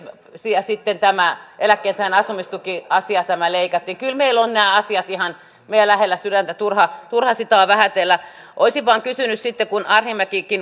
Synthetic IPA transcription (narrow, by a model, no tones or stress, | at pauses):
siæsit̪ːent̪æmæʔelækːeːnsænɑsumist̪ukiɑsiɑt̪æmæleikɑt̪ːiːŋkylmeilonnæːɑsiɑt̪ihɑn | meiælæhelːæsydænt̪æt̪urhɑt̪urhɑsit̪ɑːʋæhæt̪elːæ | ʔoisiʋʋɑːŋkysynyssit̪ːekunɑrhimækikin